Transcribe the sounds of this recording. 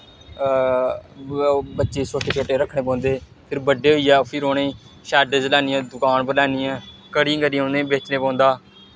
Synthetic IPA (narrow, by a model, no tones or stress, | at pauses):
bətːʃeːt͡ʃʰoːʈeːt͡ʃʰoːʈeːɾəkʰɽeːpɔ̃ːnd̪eː | pʰɪɾbəɖeːɦoiːaːpʰɪɾoːnẽː | ʃɛːɖəd͡ʒəlaːniːãːd̪ʊkaːnbəlaːniːɛ̃ːkəɽĩŋɡəɾĩːõːnd̪ẽːbeːt͡ʃneːpɔ̃ːnd̪aː